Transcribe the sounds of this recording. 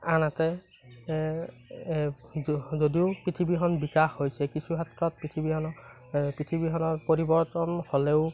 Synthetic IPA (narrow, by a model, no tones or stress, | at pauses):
anatɛ | zodiʊpɹitʰibixɔnbikaxhojsɛkisuɦatɹɔt̚pɹitʰibihɔnɔ | pɹitʰibiɦɔnɔɹpoɹibɔɹtɔnholɛʊ